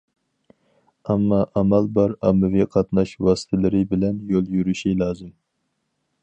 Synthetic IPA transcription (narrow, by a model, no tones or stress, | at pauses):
ɛmːɑʔɑmɛlbɑɾɑmːɪviqʰɑt̪nɑʃwɑːsɨ̥t̪ʰɪlɪɾɪbɪlɛnjolˠjyɾyʃilɑːzɨm